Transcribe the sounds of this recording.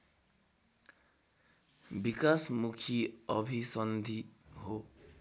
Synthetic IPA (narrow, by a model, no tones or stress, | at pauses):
bikasmukʰiʌbʱisʌnd̪ʱiɦo